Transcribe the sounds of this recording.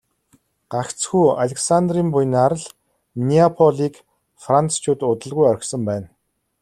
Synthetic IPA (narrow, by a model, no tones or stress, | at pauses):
ɢ̥akt͡sxuːaɮʲeksand̪riːmpuj̆naɾə̆ɮ | niapʰɔɮiːk | frant͡st͡ɕʰʊːt̪ʊt̪ə̆ɮɣujœɾ̆ʲksə̆mpæːn